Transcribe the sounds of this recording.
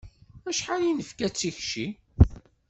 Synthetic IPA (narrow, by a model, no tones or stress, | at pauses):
æʃħalinəfkæt͡sːiçʃi